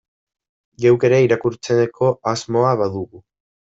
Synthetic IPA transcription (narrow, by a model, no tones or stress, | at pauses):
ʝewkeɾeiɾakuɾt͡se̞nekʰo̞azmo̞aβaðuɣu